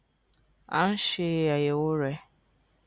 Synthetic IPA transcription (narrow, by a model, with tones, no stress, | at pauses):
a̰˦n̩˦ʃɪ˦ja˨je˨wʊ˦ɾe˦